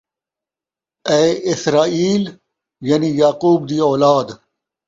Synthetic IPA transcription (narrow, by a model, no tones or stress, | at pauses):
eːɪsɾaːiːl | jɐnijaːquːbd̪iːoːlaːd̪